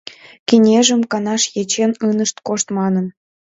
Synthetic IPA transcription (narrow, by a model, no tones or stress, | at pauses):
kinʲeʒəmkɑnɑʃjet͡ɕenɯnəʃt̪koʃt̪mɑnən